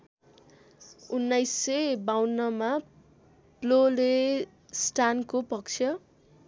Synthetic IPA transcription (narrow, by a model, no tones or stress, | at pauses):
unːajsːʌjbawnːʌma | plole | sʈankopʌk̚t͡sʰjʌ